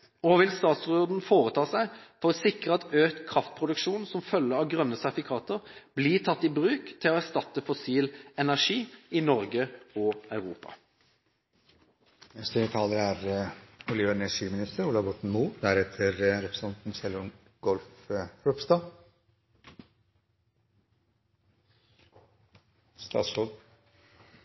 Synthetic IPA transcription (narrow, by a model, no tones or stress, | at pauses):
ɔʋɪlst̪ɑːt̪sʁoːd̪n̩foːɾət̪ʰɑːsæɪfɔʁɔsɪkɾəɑt̪øːt̪kʰʁɑft̪̚pʰɾʊd̪ʉkʃuːnsɔmfœlːəɑʋɡʁœnːəsæʁfɪkʰɑːt̪əʁb̥liːt̪ʰɑt̪ːɪbʁʉːkt̪ʰɪlɔæʁst̪ɑt̪ːəfʊsiːlɛnæʁʂiːɪnɔɾɡəɔɑʉʁuːpɑ̰ | ɛst̪əət̪ʰɑːləɾæɾʊliːʋəɛnɛʂiːmɪnɪst̪əɾuːlɑbɔʈɳ̩muːd̪æɾɛt̪ʰəɾɾɛpʰɾə̥sɑnt̪n̩sɛlʊn | ɡ̥ɔlfɾɔpst̪ɑ | st̪ɑ̰ːt̪sɔd̪